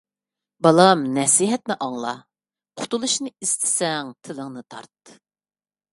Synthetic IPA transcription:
bɑlˠɑmnɛsiɦɛt̪nɪʔɑŋlˠɑ̰ | qʰʊ̥t̪ʰulˠuʃnɨist̪ʰɪ̥sɛŋt̪ʰɪləŋnɨt̪ʰɑ̰ɾt̪

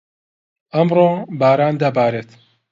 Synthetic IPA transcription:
ɐmroːbaːɾaːnd̪ɐbaːɾeːt̪

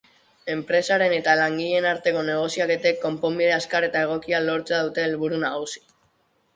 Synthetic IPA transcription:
e̞mpɾe̞saɾe̞ne̞t̪alaŋɡiʎe̞naɾt̪e̞ko̞ne̞ɣ̞osiake̞t̪e̞kːo̞mpo̞mbiðeaskaɾe̞t̪ae̞ɣ̞o̞kialo̞ɾt͡seaðut̪e̞ːlβuɾunaɣusi̥

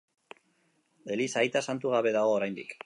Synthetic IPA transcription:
e̞lisajt̪asant̪uɣ̞aβe̞ðaɣo̞ːɾajnd̪ik

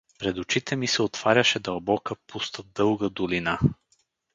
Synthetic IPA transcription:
pɾɛd̪ot͡ʃit̪ɛmisɛot̪v̥aɾʲɐʃɛd̪ɐlˠbɔkəpust̪əd̪ɤlˠɡəd̪olina

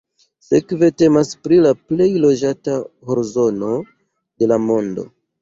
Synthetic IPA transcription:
se̞kve̞te̞maspɾilaple̞jlo̞d͡ʒataho̞ɾzo̞no̞ | d̥e̞lamo̞ndo̞̰

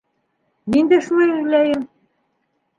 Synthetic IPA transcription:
nind̪eʃmɘ̆læjɘ̆m

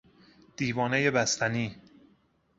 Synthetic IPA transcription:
d̪̥iːvɒːnejebæst̪ʰæniː

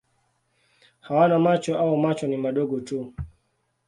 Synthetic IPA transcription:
hawanamat͡ʃɔʔaɔmat͡ʃɔnimaɗɔɠɔtu

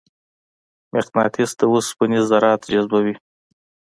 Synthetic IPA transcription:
meqnɑt̪isd̪əwuspənizaɾɑt̪d͡ʒazbawi

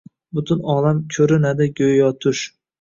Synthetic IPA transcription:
bʊt̪ʰʊnɒːlamkʲʰɵɾɪnad̪ɪɡʲojjɒt̪ʰʊʃ

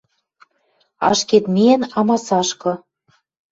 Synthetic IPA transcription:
ɑ̰ʃket̪mʲiɘ̆nɑmɑsɑʃkɤ̆

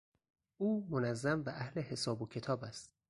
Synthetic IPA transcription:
ʔuːmonæzːæmvæʔæhle̞he̞sɒːbocʰe̞t̪ʰɒːbæst̪

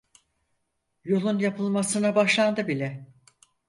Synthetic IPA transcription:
jo̞lˠunjapʰɯlˠmasɯnabaʃlˠand̪ɯbilʲɛ

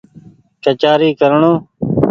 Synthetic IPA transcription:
ʈət͡ʃaːɾiːkəɾɳõː

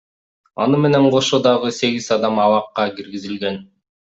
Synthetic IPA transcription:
ɑ̰nɯme̞ne̞ɴqʰo̞ʃod̪ɑʁɯse̞ɡʲizɑd̪ɑmɑlˠɑqːɑɡiɾɡizilɡe̞n

